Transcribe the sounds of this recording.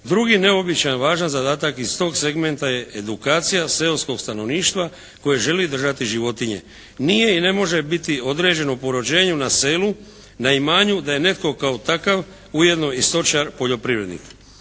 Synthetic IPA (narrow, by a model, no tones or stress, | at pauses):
d̪ɾuɡine̞obit͡ʃajnʋaːʒanzad̪aːt̪akist̪o̞ːɡse̞ɡme̞nt̪aje̞ed̪ukaːt̪sijase̞lsko̞ɡst̪ano̞ʋniːʃt̪ʋa | ko̞jeʒe̞lid̪r̩ʒat̪iʒiʋo̞t̪iɲe̞̰ | nije̞ine̞mo̞ʒe̞bit̪io̞d̪ɾe̞ːd͡ʑe̞nopo̞ɾo̞d͡ʑe̞ːɲunase̞ːlu | naimaːɲud̪aje̞ne̞t̪ko̞kaot̪akaʋ | uje̞d̪no̞ist̪o̞t͡ʃaɾpo̞ʎo̞pɾiːʋɾe̞d̪nḭk